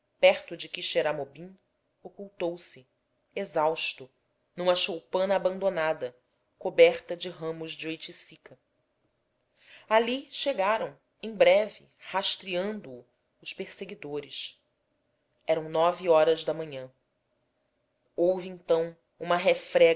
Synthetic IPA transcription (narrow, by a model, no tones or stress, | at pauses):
pɛɾt̪ʊd͡ʒɪkiʃeɾamobĩ | okuwt̪owsɪ | ezawʃt̪ʊ | nũmɐʃowpɐ̃nɐːbɐ̃nd̪onad̪ɐ | kobɛχt̪ɐd͡ʒɪɦɐ̃mʊzd͡ʒɪojt͡ʃisikɐ | aliʃeɡaɾɐ̃w̃ | ẽj̃bɾɛvɪ | haʃt̪ɾiɐ̃nd̪ʊː | ʊspeɾseɡid̪oɾɪʃ | ɛɾɐ̃w̃nɔviɔɾɐzd̪ɐmɐ̃ɲɐ̃ | owvɪẽt̪ɐ̃w̃ | ũmɐɦefɾɛ